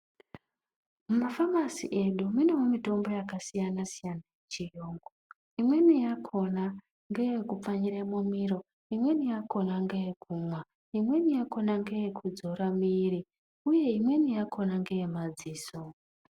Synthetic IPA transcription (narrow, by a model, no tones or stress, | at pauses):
mumafamasḭʔe̞ɗuminemomito̞mbo̞jakasijanasijanajet͡ʃijoːŋɡo | imwe̞nijakʰo̞na | ŋɡe̞jekup͡faɲiɾemomiɾo̞ | imwe̞nijako̞naŋɡejekʰuːmwa | imwe̞nijako̞naŋɡe̞jekʰud͡zo̞ɾamiːri | uje̞imwe̞nijakʰo̞naŋɡe̞jemad͡ziːso